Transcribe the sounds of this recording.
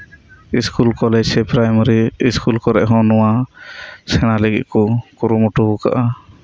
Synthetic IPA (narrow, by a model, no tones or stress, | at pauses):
iskulkɔlɛd͡ʒsɛpɾajməɾiiskulkɔɾɛʔɦɔ̃nɔwa | sɛɽ̃aləɡḭt̪̚kɔkuɾumuʈubuka̰ʔa